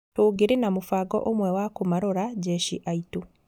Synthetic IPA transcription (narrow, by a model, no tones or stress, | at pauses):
toːɡeɾenamofaːɡɔ̰ʔomwɛwakomaɾoɾaɟɛʃiʔaito